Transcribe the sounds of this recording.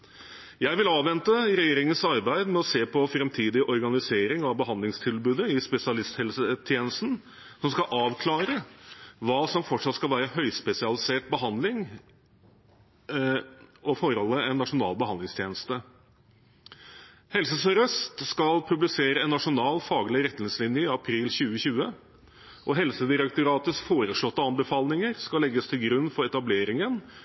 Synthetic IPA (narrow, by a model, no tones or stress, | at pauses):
jæɪʋɪlɑːʋɛnt̪əɾɛjeːɾɪŋənsɑɾbæɪd̪mɛɔseːpʰɔfɾɛmt̪ʰiːd̪ɪʔɔɾɡɑnɪseːɾɪŋɑʋbəɦɑnd̪lɪŋst̪ʰɪlbʉːd̪əɪspɛsɪɑlɪst̪hɛlsət̪ʰjeːnəst̪n̩ | sɔmskɑʔɑːʋkʰlɑːɾəʋɑːsɔmfɔʈʂɑt̪skɑlʋæːɾəhœʏspɛsɪɑlɪseːʈ̚bəɦɑnd̪lɪŋ | ɔfɔɾɔlːəɛnːɑʂʊnɑ̰ːlbəɦɑnd̪lɪŋst̪ʰjeːnəst̪ə | hɛlsəsɔɾœst̪skɑlpʰʉblɪseːɾəɛnːɑʂʊnɑːlfɑːɡlɪɾɛt̪nɪslɪnjəɪɑpʰɾiːlɕʉːəɕʉːə | ʔɔɦɛlsəd̪ɪɾɛkt̪ʊɾɑːt̪əsfoːɾəʂɭɔt̪ːəɑnbəfɑːlnɪŋəɾskɑlːɛɡːəst̪ʰɪlɡɾʉnːfɔɾɛt̪ɑbleːɾɪŋən